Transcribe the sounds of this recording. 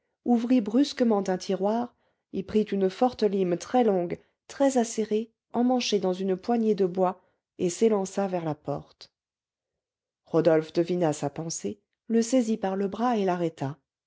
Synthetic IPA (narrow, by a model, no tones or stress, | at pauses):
uvʁibʁyskəmɑ̃t̪ɛ̃t̪ʰiʁwaːʁ | ilpχit̪ynfɔʁt̪əlimt̪χɛlɔ̃ɡ | t̪χɛzaseʁe | ɑ̃mɑ̃ʃed̪ɑ̃zynpwaɲed̪əbwa | eselɑ̃savɛʁlapɔ̰ʁt̪ | ʁɔd̪ɔlfd̪əvinasapɑ̃se | ləsezipaʁləbʁaelaʁɛt̪a